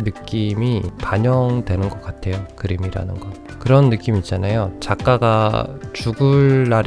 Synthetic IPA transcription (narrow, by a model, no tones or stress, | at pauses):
nɯk͈imipaɲʌŋdwe̞nɯnɡʌk͈atʰe̞jokɯɾimiɾa̰nɯnɡʌn | kɯɾʌnːɯk͈imiːt̚t͡ɕ͈anajot͡ɕak͈aɡat͡ɕuɡuɭːaɾ